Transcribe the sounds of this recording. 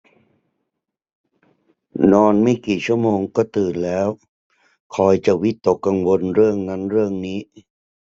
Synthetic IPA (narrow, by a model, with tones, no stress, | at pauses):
nɔː˧nmaː˥˩jkiː˨˩t͡ɕʰu˥˩əmoː˧ŋkɔː˥˩t̪ɯː˨˩nlɛː˦˥w | kʰɔː˧jt͡ɕa˨˩wi˦˥t̪ːo˨˩kːa˧ŋwo˧nɾɯ˥˩əŋna˦˥nɾɯ˥˩əŋniː˦˥